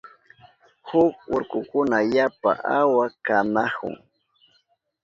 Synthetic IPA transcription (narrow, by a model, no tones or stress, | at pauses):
hʊk̚ʊɾkʊkʊnajapa̰ʔawakanahʊ̰ŋ